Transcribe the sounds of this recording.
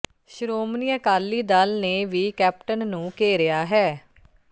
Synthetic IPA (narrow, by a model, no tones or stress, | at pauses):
ʃɾoːmnijakaːlːiːd̪alneːʋiːkɛːp̚ʈənːũːkeːɾɪjaːɦɛː